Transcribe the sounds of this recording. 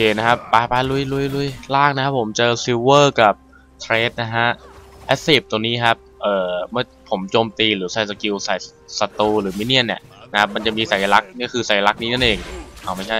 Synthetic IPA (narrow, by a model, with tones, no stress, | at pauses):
keː˨˩na˦˥kʰa˦˥p̚ːaː˨˧˩pa˧˥lu˧˩˨jlu˧˥˨jlu˧˩˨jlaː˥˩ŋ̚na˦˥kʰa˦˥pʰːo˩˦mt͡ɕɤː˧si˧wɤː˥˩ka˨˩p̚ | t̪ʰɾeː˦˥t̪̚na˦˥kʰa˦˥ʔʔɛ˦˥si˨˩p̚t̪o˧ŋniː˦˥kʰa˦˥p̚ʔɤː˨˩mɯ˥˩ɐpʰo˩˦mt͡ɕoː˧mt̪iː˧ɾɯː˩˦sa˨˩jsa˧˩ki˧wsa˨˩jsa˧t̪uː˧ɾɯː˩˦mi˦˥ni˥˩ənːi˧˩əʔna˦˥kʰa˦˥p̚ma˧nt͡ɕa˨˩miː˧sa˨˩˦ja˧la˦˥k̚ni˥˩kʰɯː˧sa˨˩˦ja˧la˦˥k̚niː˦˥na˥˩nʔeː˧ŋʔʰa˨˩wma˥˩jt͡ɕʰa˥˩j